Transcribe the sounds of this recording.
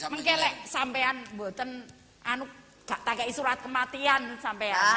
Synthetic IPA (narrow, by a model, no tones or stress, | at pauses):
məŋkɛlɛʔsampeanbo̤t̪ən | anu | ɡ̥aʔt̪aɡaʔisuɾat̪̚kəmat̪iansampea